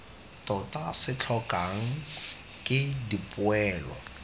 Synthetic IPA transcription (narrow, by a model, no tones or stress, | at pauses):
tʼɔtʼasɪt͡ɬʰɔkʼaŋ̩ | kʼɪdipʼʊɛːlwa̰